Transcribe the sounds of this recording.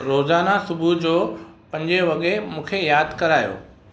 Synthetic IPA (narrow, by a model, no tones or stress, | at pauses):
ɾoːzaːnasʊbʱud͡ʑoːpɐ̃ɲd͡ʑeʋɐɠemũːkʰejaːd̪ʱkɐɾaːjo̰ː